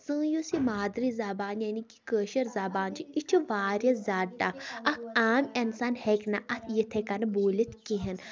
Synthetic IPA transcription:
sə̃ːjosimaːd̪ɾizaːbaːnjaniki̥kəːʃɐɾzaːbaːnt͡ʃʰiit͡ʃʰiʋaːɾjɐzaːɖapɐkʰaːmɐnsaːnheknaʔɐt̪ʰjit̪ʰekɐnɐboːlit̪kiɦɐn

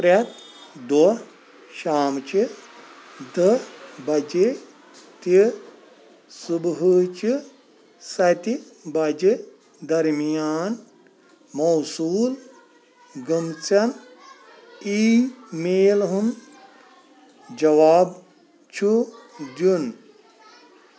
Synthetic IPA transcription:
pɾɐt̪d̪ɔ | ʃaːmt͡ʃi | d̪ɨbɐd͡ʒi | t̪i | subɦut͡ʃi | sɐt̪ibɐd͡ʒi | d̪ɐɾmijaːn | mɐwsuːl | ɡɐmt͡sɐn | iːmeːlɦum | d͡ʒɐʋaːb | t͡ʃʰud̪jun

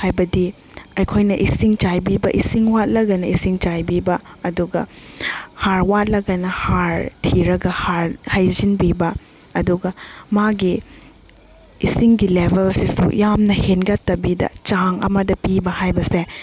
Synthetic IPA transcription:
hajbɐdi | ɐjkʰojnɐʔisiŋt͡ʃajbibɐʔisiŋwat̚lɐɡɐnɐisiŋt͡ʃajbibɐːduɡɐ̰ | haɾwat̚lɐɡɐnɐhaɾtʰiɾɐɡɐhaɾhajzinbibɐː | duɡɐmaɡi | isiŋɡilebʱelsisṵjamnɐhenɡɐtːɐbidɐ̰t͡ʃaŋɐ̰mɐdɐpibɐhajbɐse

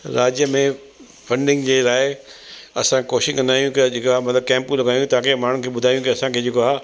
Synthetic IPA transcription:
ɾaːd͡ʑjəmẽ | fʰɐ̃ɳɖɪ̃ŋɡd͡ʑeːlaːɪɐsãkoːʃɪ̃kɐnd̪aːjũkd͡ʑekoamɐt̪ləb̚kɛ̃ːmpũlɐɡaːjũt̪ɐãkʰeːmaːɳ̤ukʰeːɓʊd̪ʱaːjũkiɐsãkʰeːd͡ʑeːkoa

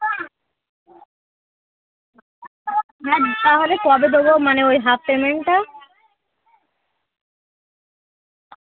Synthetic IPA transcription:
nɛdt̪aɦolekɔbed̪ebomaneojɦafpemeɳʈa

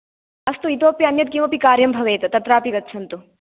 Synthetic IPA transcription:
ɐst̪uit̪oːpjɐːnjɐt̪̚ɡiːmɐpikaːɾjɐmbʱɐʋeːt̪ɐt̪ɐt̪ɾaːpiɡɐt̪ːt͡ʃʰɐnt̪u

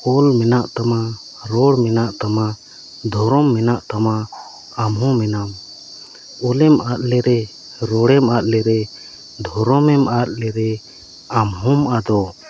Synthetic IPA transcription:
ɔlmɛnaʔt̪ama | ɾɔɽmɛnaʔt̪ama | d̪ʱɔɾɔmːɛnaʔt̪ama | amɦɔ̃mɛnam | ɔlɛmat̪̚lɛɾɛ | ɾɔɽɛmat̪̚ˀlɛɾɛ | d̪ʱɔɾɔmɛmat̪̚ˀlɛɾɛ | amɦɔmad̪ɔ

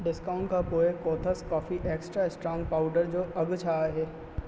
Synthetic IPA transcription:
ɖɪskaːʊ̃ɳʈkapoːekoːt̪ʰəskɔːfiʔeːksʈɾaɪsʈɾãːnpaːʊɖəɾd͡ʒoːʔɐɡt͡ʃʰaːɦɛː

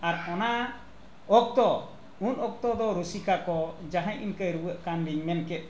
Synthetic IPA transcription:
aɾɔna | ɔk̚t̪ɔ | unɔk̚t̪ɔd̪ɔɾusikakɔd͡ʒaɦãɲʔinkəjɾuwəʔkanɾiɲmɛnkɛt̪̚

